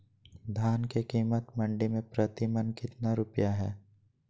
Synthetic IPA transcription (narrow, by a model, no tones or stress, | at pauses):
d̪ʱaːnkekiːmət̪mɐ̃ɳɖimẽpɾət̪ɪmənkɪt̪naɾʊpjaɦɛː